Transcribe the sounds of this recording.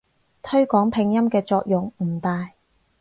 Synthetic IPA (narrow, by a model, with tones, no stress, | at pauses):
t̪ʰɵ˥ɥkɔː˨˥ŋpʰɪ˨˧ŋjɐ˥mkɛː˧t͡sɔː˧k̚jʊ˨ŋm̩˨˩t̪aː˨j